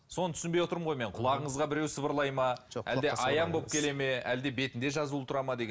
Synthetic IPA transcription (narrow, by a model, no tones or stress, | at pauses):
so̞nət̪ʰʏsɪnbejwo̞t̪əɾəmɴʁo̞jme̞ɴqʰʊlˠɑʁəɴəzʁɑbɪɾewsəbəɾlˠɑjmɑʒæ̰ld̪e̞ʔɑjɑɴbo̞p̚kʲʰe̞le̞me̞æld̪e̞be̞t̪ɪnd̪e̞ʒɑzulˠət̪ʰʊɾɑmɑd̪e̞ɡʲ